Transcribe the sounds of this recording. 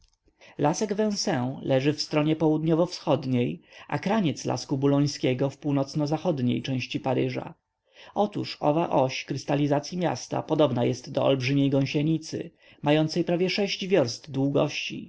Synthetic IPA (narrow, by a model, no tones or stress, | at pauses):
lasɛɡvɛ̃w̃sɛ̃wlɛʐɘfst̪ɾɔɲɛpɔwud̪ɲɔvɔfsxɔd̪ɲejʔa̰kɾaɲɛt̪sla̰skubulɔj̃skʲɛɡɔfpuwnɔt̪snɔzaxɔd̪ɲḛjt͡ʂɛ̃w̃ɕt͡ɕipaɾɘʐa̰ | ʔɔt̪uʂɔ̰vaʔɔɕkɾɘst̪alʲizat̪sʲjimʲja̰st̪a̰pɔd̪ɔbnajɛst̪ːɔɔ̰lbʐɘmʲjejɡɔ̃w̃ɕɛɲit̪sɘ̰ | majɔnt̪sɛjpɾavʲjɛʂɛɕd͡ʑvʲjɔɾst̪d̪wuɡɔ̰ɕt͡ɕḭ